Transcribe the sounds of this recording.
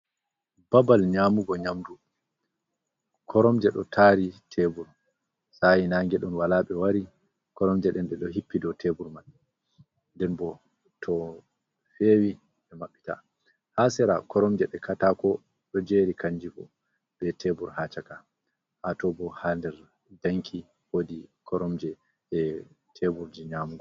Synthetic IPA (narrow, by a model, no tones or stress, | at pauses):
babalɲaːmuɡɔɲamdu | kʰɔɾɔmd͡ʒɛɗɔ̰tʰaːɾitʰebuɾ | sajinaːŋɡɛɗɔnwalaːɓɛwaɾi | kɔɾɔmd͡ʒɛɗɛnɗɛɗɔɦipːidɔtʰebuɾman | ndɛnbɔ | tʰɔ | fewi | ɗɛmaɓːita̰ | hasɛɾa̰kɔɾɔmd͡ʒɛɗɛkʰatakɔ | ɗɔd͡ʒeɾikaɲd͡ʒifɔ̰ | bɛtʰebuɾhat͡ʃaka | hatɔbɔhandɛɾ | daŋkʰi | wodikʰɔɾɔmd͡ʒɛ | ɛ | tʰebuɾd͡ʒiɲaːmɡɔ